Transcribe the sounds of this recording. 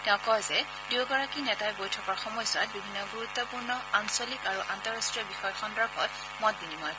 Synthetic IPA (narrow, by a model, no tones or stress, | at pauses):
tɛ̃ʊ̃kɔɹzɛ | diwɡɔɹakinɛtajbojtʰɔkaɹxɔmɔjswat̚bibʱinːɔɡuɹut̪ːɔpuɹnɔansɔlikaɹuʔantɔɹastɹijɔbixɔjɔxɔndɹɔxɔt | mɔt̚dinimɔj